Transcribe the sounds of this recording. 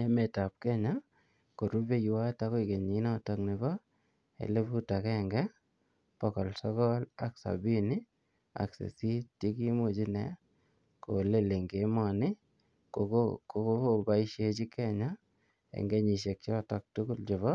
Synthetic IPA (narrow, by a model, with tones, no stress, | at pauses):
e˦me˨ta˨p̚kɛ˦ɲa˦ | ko˨ɾu˦be˦jwa˦ta˦ko˦i˨ke˨ɲi˨˦nɔ˦tɔ˨ŋnɪ˨βɔ˦ | ḛ˨le˦bu˦ta˨kɛŋɡɛ˦ | pɔ˨kɔ˨lsɔ˦kɔ˦la˦ksa̰˨bi˦ni˦ | a̰˨ksḛ˨si˦ti˦ki˦mu˨d͡ʒi˦nɛ̰˨ | ko˨le˦le˨ŋɡe˨˦mɔ˨nɪ˦ | ko˨kokoko˦oba˦i˦ʃe˦t͡ʃi˦kɛ˦ɲa˦ | ḛ˨ŋɡe˦ɲi˨ʃe˨k̚t͡ʃɔ˦tɔ˨k̚tu˦ku˦ld͡ʒʊ˨βɔ˦